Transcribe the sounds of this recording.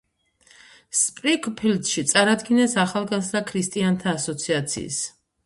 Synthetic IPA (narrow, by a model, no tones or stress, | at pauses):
spʼɾikʼpʰild̪ʃit̪sʼaɾad̪ɡinɛsaχalˠɡazɾakʰɾist̪ʼiant̪ʰaːsɔt̪sʰiat̪sʰḭːs